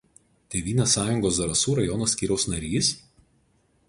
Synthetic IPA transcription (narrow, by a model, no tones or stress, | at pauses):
t̪ʲeːʋʲiːnʲeːsɑːjʊŋɡoːs̬d̪ɐɾɐsuːɾɐjɔnosʲkʲiːɾʲɛʊsnɐɾʲiːs